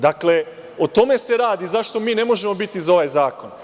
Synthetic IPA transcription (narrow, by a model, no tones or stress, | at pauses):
d̪akle̞ | o̞t̪o̞me̞se̞ɾaːd̪izaʃt̪o̞miːne̞mo̞ʒe̞mo̞bit̪izo̞ʋajzaːko̞n